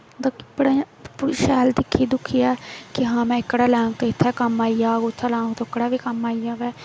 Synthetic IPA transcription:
d̪kpəɽãː | pːʃɛːld̪ɪkʰːiːd̪ʊkʰːiːaːkɪɦãːmɛ̃ːɪkɽaːlɛ̃ːŋɡt̪oːɪt̪ʰːɛːkəmaːiːjaːɡot̪ʰːalɛ̃ːŋɡt̪oɪkɽaːʋiːkəmaːiːjaːʋɛː

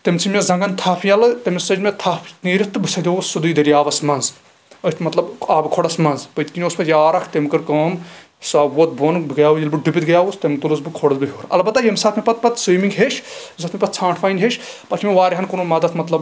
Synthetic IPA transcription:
t̪emt͡sʰimʲezɐ̃ŋɡɐnt̪ʰaːpʰijɐlɨt̪emesɐd͡ʒmʲet̪ʰaːpʰniːɾʲit̪t̪ɨbɨsʰɐd̪ʲousud̪uːd̪ɐɾiaːʋɐsmɐnz | ət̪ʰmɐt̪lɐbaːbɨkʰoɽɐsmɐnzpət̪ʲkinʲoːspɐt̪ʰjaːɾɐkʰt̪emkɨɾkɐːm | saːwoːt̪̚boːnbɡɐjaːujilbɨɖupʲit̪ɡɐjaːust̪emt̪ulusbɨkʰoɽɐzbɨɦoːɾɐ̰lbɐt̪ːajemsɐːt̪ʰmʲepɐt̪̚pɐt̪siːmiŋɡɦeːʃzɐt̪mipɐt̪t͡sʰãːʈʰfʰaːinʲɦeʃʲpɐt͡ʃʰmeʋaːɾiɦɐnkunumɐd̪ɐt̪ʰmɐt̪lɐb

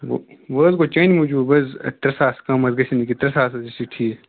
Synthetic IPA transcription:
ʋəːzɡot͡ʃɐnʲimud͡ʒuːbɐz̰t̪ɾɐsaːskɐmɐzɡɐsinikit̪ɾɐsaːsɐzisiʈʰiː

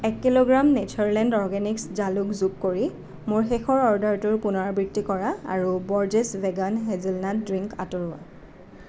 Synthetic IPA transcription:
ɛkːiloɡɹamnetʰɔɹlɛndɔɹɡɛnikszalukzukːoɹi | mʊɹxexɔɹɔɹdaɹtʊɹpʊnɔɹbɹitːikɔɹaa̰ɹubɔɹd͡ʒesvɛɡanɦɛzilnadɹiŋka̰tɔɹʊwa̰

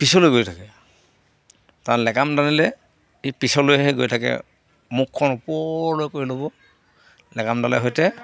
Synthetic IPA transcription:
pisɔlojɡojtʰakɛ | taɹlɛkamdanilɛ | ipisɔlojɦɛɡojtʰakɛ̰ | mukʰːɔnupɔlojkoɹilobɔ | lɛkamdalɛ̰ɦɔjtɛ

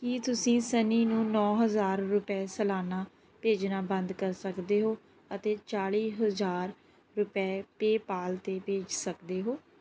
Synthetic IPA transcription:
kit̪ʊsĩːsəniːnũːnɔːɦəzaːɾːʊpɛːsəlaːnaː | peːd͡ʒnaːbənd̪kəɾsəkd̪eːɦoː | ət̪eːt͡ʃaːɽiːɦəzaːɾ | ɾʊpɛːpeːpaːlt̪eːpeːd͡ʒsəkd̪eːɦoː

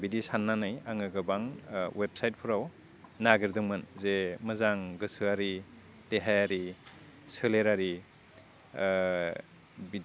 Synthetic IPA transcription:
bidisanːanɯjaŋɯɡɯbaŋwep̚sajt̚pʰɯɾaw | naɡiɾdɯŋmɯnzemɯzaŋɡɯsɯaɾi | teɦajaɾi | sɯleɾaɾi | bi

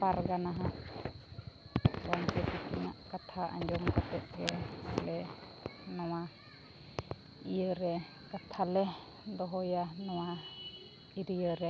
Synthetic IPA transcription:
paɾɡanaɦãʔ | waɲtɛpikinaʔkat̪ʰaʔa̰ɲd͡ʒɔŋkat̪ɛt̪̚ɾɛlɛ | nɔwa | ijəɾɛ | kat̪ʰalɛ | d̪ɔɦɔjanɔwa | iɾijəɾɛ

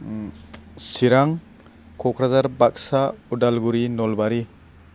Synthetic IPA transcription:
siɾaŋ | kʰɔkʰɾazaɾbak̚saudalɡuɾinɔlbaɾi

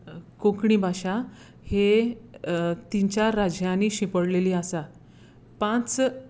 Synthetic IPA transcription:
kõkɳiːbʱaɕa | he | t̪iɲt͡ɕjaɾad͡ʑjãniːɕĩpəɽleliːasa | pãt͡s

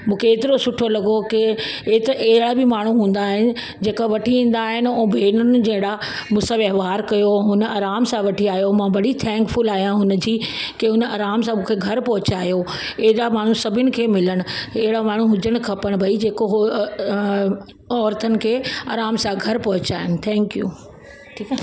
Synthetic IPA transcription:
mũːkʰeːt̪ɪɾosʊʈʰolɐɡokɪt̪eɦɪɽabɪmaːɳ̤ũɦũːn̆d̪aːɦɪnɪ̆ | d͡ʑeːkaʋɐʈʰiĩːn̆d̪aːɦɪnɪoːbʱeːɽnʊd͡ʑɐ̃ːɦɪɽamũːsãʋɐɦʋaːɾkɐjoɦʊnə̆ɐɾaːmsãʋɐʈʰiaːijomãːbɐɽit̪ʰɛ̃ːŋkfʊlaːɦijãɦʊnə̆d͡ʑiː | keɦʊnəɐːɾaːmsãmũːkʰeɡʱɐɾpɐɦʊt͡ɕaːjo | eɦɪɾamaːɳ̤usɐbʱɪnɪ̆kʰeːmɪləɽ̃ʊ̆eɦɪɽamaːɳ̤uɦʊd͡ʑəɽ̃̆kʰɐpəɽ̃bʱɐid͡ʑeːkoɦ | ɔːɾt̪ʰənɪ̆kʰeːɐːɾaːmsãɡʱɐɾpɐɦʊt͡ɕaːɦɪnɪ̆t̪ʰɛ̃ːŋkjṵː | ʈʰiːk

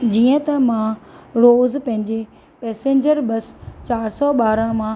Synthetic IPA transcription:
d͡ʑiːə̃t̪ɐmãɾoːzpɐ̃ɦɪ̃ɲd͡ʑe | pɛːsẽːɲd͡ʑəɾbɐst͡ɕaːɾsɔɓaːɾãmãː

